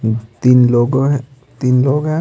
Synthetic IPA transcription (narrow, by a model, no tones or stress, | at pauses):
t̪inlɔɡɔ | t̪inlɔɡa